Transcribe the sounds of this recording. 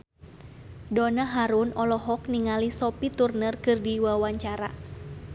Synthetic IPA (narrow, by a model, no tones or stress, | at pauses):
dɔnaɦaɾunɔlɔɦɔk̚niŋalisɔpit̪urnərkɨrdiwawaɲt͡ʃaɾa̰